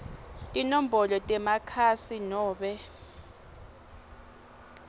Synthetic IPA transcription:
tʼinom̩bɔlɔtʼɛmakʰasinɔːɓɛ

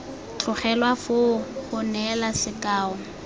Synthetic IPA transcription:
t͡ɬʰʊχɛlwafʊχʊnɛlasɪkʼaːɔ

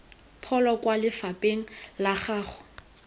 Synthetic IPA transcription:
pʰɔlɔkwalɪfapʼeŋ̩laχaːχʊ̥

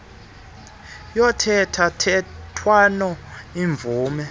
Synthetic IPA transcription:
jɔtʰɛtʰatʰɛtʰwanɔiɱb̪vuːmɛ

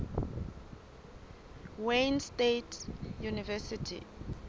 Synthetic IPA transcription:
wenstetʰjunivɛsitʰḭ

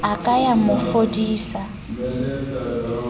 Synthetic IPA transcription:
akʼajamʊfodiːsa

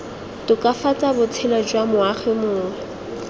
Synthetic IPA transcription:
tʊkʼafat͡sʼabʊt͡sʰɛlad͡ʒwamʊaχɪmʊːŋɛ

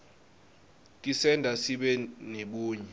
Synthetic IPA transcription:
kʼisɛndʱasiɓɛneɓuːɲɛ

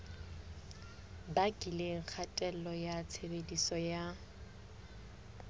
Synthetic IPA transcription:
bakʼileŋ̩k͡xʰatʼɛlɔjat͡sʰebedisɔja

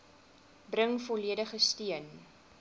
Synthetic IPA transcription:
brəŋfɔliədəχəstiən

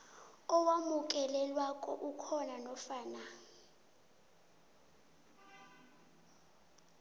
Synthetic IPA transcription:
ɔwamuk̬ʼɛlɛlwakʼɔʔukʰɔnanɔfaːna

